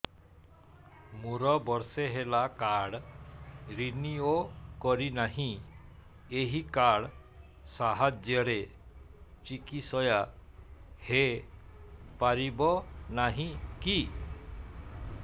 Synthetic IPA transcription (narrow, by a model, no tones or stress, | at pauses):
muɾɔbɔɾseɦelakaɽ | ɾiniokɔɾinaɦĩ | eɦikaɽ | saɦad͡ʒjɔɾe | t͡ʃikisɔja | he | paɾibɔnaɦĩki